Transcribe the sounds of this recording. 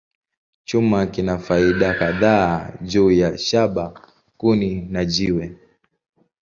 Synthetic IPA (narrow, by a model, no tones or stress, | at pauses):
t͡ʃumakinafaiɗakaðaːʄuːjaʃaɓa | kuninad͡ʒiwɛ